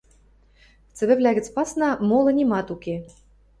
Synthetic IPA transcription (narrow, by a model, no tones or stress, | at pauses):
t͡sɘ̆βɘ̆vlʲæɣʲɘ̆t͡s̪ʲpɑsnɑmolˠɤ̆nʲimɑt̪ukʲe